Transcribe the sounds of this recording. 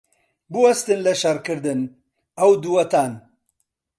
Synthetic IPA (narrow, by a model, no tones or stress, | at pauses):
buwɐst̪ɨnlɐʃɐɾkɨɾd̪ɨn | ɐwd̪uwɐt̪aːn